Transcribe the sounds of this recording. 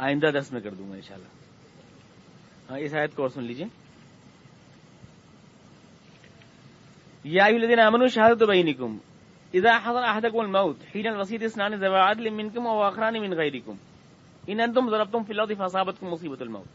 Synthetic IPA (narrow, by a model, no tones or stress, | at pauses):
aːjɪ̃nd̪ad̪ɐɾsmẽkɐɾd̪ṵ̃ːŋɡa̰ːɪ̰̃nʃa̰ːlːa̰ː | ɦãːɪsaːjət̪̚kɔːɾsʊnliːd͡ʒieː | jaːʔɐjʊhɐlːɐðiːnaaːmɐnuːʃɐɦaːd̪ɐt̪bɐjnɪkʊm | ɪðaːħɑzˤɐnaɦad̪ɐkʊmɐlmɐʊt̪ħiːnɐlʋɐs̬iːt̪ɪsnaːnizɐʋaːʕat̪limɪnkʊmɐwaːxɪɾaːnimɪ̃nɣɐjɾɪkʊm | ɪnɐ̃nt̪̬ʊmzɐɾɐbt̪ʊʊmfiːlɐt̪̬ˤifaːs̬aːbɐt̪kʊmːʊsiːbɐt̪almɐ̰ːt̪̚